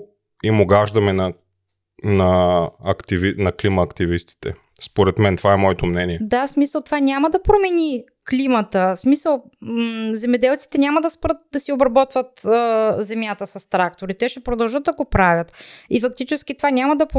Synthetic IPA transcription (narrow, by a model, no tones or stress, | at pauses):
imoɡaʒd̪ɐmɛnɐ | nɐɐkt̪ivinɐklimɐːkt̪ivist̪i̥t̪ɛ̰ | spoɾɛt̪mɛnt̪ovaɛmɔɛt̪omnɛniɛd̪afsmisəlˠt̪ovanʲamɐd̪ɐpɾomɛni | klimɐt̪əfsmisəlˠ | zɛmɛd̪ɛlˠt̪si̥t̪ɛnʲamɐd̪ɐspɾɤt̪̚d̪ɐsiobɾɐbɔt̪vət̪əzɛmʲjat̪əsɐst̪ɾak̚t̪oɾit̪ɛʃɛpɾod̪ɐlˠʒət̪ɐɡopɾavʲɐt̪ifɐk̚t̪it͡ʃɛsk̟it̪ovanʲamɐd̪ɐp